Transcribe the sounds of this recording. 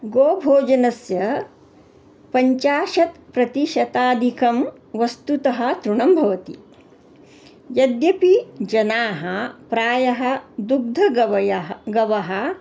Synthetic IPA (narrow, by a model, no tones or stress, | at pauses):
ɡoːbʱoːd͡ʒɐnɐsjɐ | pɐɲt͡ʃaːʃɐt̪pɾɐt̪iʃɐt̪aːd̪ʱikɐm | ʋɐst̪ut̪ɐɦɐ̆t̪ɾuɳɐmbʱɐʋɐt̪ḭ | jɐd̪jɐpid͡ʒɐnaːɦɐpɾaːjɐɦɐ̆d̪uɡ̚d̪ʱɐ | ɡɐʋɐɦɐ̆